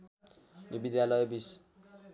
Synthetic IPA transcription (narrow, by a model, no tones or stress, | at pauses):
jibid̪jalʌjbis